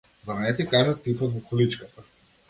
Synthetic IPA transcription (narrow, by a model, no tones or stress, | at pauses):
zaɾanɛt̪ɛikajmɛt̪ipɔt̪vɔkɔlit͡ʃkat̪a